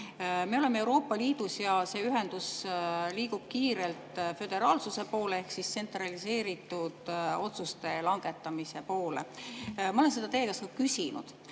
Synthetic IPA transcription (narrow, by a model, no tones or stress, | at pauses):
me̞o̞le̞meewɾo̞ːpːˑɑliːd̪̥usjɑse̞ːyɦend̪̥usliːɡ̥ub̥̚kiːɾe̞lt̪fø̞d̪̥e̞ɾɑːlsuse̞po̞ːlee̞hksistse̞nt̪ˑrɑlise̞ːɾit̪ːˑud̪̥o̞t̪sust̪e̞lɑŋɡ̥e̞t̪ːˑɑmise̞po̞ːlḛmɑole̞nse̞d̪ɑt̪e̞ːkɑsokysinṵd̪̥